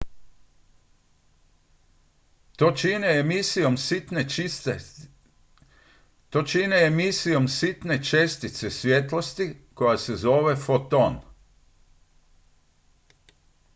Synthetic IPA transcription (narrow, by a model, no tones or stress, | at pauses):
t̪oːt͡ʃineemisijo̞msit̪ne | t̪oːt͡ʃineemisijo̞msit̪ne̞t͡ʃest̪it̪sesʋjet̪lost̪iko̞jase̞zo̞ːʋe̞fot̪on